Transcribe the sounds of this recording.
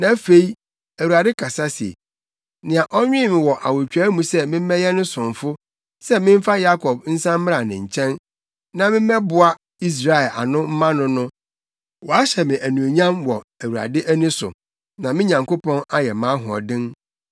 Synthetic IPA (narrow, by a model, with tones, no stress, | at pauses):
nã˨˦fe˦i˦ | æ˨wu˨ɾa˨dɪ˦kʰa˨sa˦si˨ḛ˨ | nɪ̃˨a˨ʔɔ˦ɲᶣɪ̃˦˨mɪ̃˨wɔ˨ʔa˨wʊ˨t͡ɕᶣæ˦mũ˨sɛ˦mɪ̃˦m˦ɛ˦jɛ˦nʊ̃˦sʊ̃˨ɱ˨fʊ˦ | sɛ˦mɪ̃˦m˦fa˦ja˦kʰɔ˨b̥̚n̩˦sã˦m̩˦ɪ̃˦a˨nɪ̰̃˨ɲ̩˨t͡ɕʰɛ̃˦n | nã˨mɪ̃˦m˦ɛ˦bʊ˨a˦ | i˦s̬ɾa˨ɛ˨lʔa̰˨nʊ̃˦m̩˦mã˦nʊ̃˦nʊ̃˦ | wɔ˨a˦ɕɛ˨mɪ̃˨ʔæ˨nũ˨e˨ɲã˦mwɔ˨æ˨wu˨ɾa̰˨dɪ˦ʔæ˦nĩ˦sʊ̰˨ | nã˨mɪ̃˦ɲã˨ŋko˦pʰɔ̃˦na˦jɛ˨mã˨˦ɦʊ˨ɔ̰˨dɪ̃˦n